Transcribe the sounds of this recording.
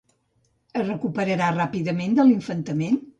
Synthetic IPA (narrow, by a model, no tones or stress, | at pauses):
əzrəkupəɾəɾarapiðəmend̪əliɱfənt̪əmen